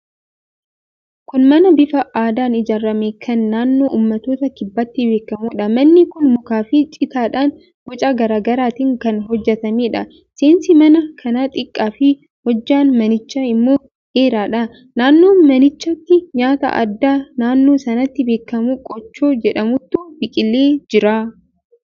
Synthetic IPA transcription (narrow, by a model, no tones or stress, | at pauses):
kʊnmɐnɐbɪfɐaːd̪aːnɪd͡ʒaːɾːɐmeːkʰɐnːaːnːo̞ːʔuːmːɐt̪o̞ːt̪ɐkɪbːɐt̪ːɪbe̞ːkːɐmuːᶑɐmɐnːɪkʊnmʊkaːfɪt͡ʃʼɪt̪aːᶑaːn | b̥ɔt͡ʃʼaːɡɐɾaːɡɐɾaːt̪ɪŋkɐnɦɔd͡ʒːɛt̪ɐmeːᶑɐ | seːnsɪmɐnɐkʰɐnaːt̪ʼɪkʼːaːfɪ | hɔd͡ʒːaːnmɐnɪt͡ʃːaːɪmːo̞ː | ʔe̞ːɾaːᶑɐ | naːnːo̞ːmɐnɪt͡ʃːɐt̪ːɪɲaːt̪ɐ̰ʔɐ̰d̪ːaːnaːnːo̞ːsɐnɐt̪ːɪbe̞ːkːɐmuːkʼɔt͡ʃːoːd͡ʒɛᶑɐmʊt̪ːubɪkʼɪlːeːd͡ʒɪɾaː